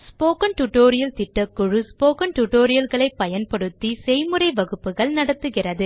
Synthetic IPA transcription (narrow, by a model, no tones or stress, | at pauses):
spoːkɐnʈʊʈːoːɾɪjɐlt̪ɪʈːɐkːɯɻɯspoːkɐnʈuʈːoːɾɪjɐlɣɐɭɐɪpːɐjɐnpɐɽɯt̪ːisɛjmɯrɐɪʋɐɣɯpːɯɣɐɭnɐɽɐt̪ːɯɣɪrɐðɯ